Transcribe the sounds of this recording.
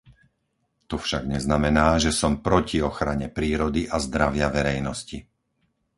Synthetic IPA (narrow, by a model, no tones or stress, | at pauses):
t̪ɔfʃaɡɲɛznamɛnaːʒɛsɔmpɾɔciɔxɾaɲɛpɾiːɾɔd̪iʔazd̪ɾaʋɪaʋɛɾɛjnɔsci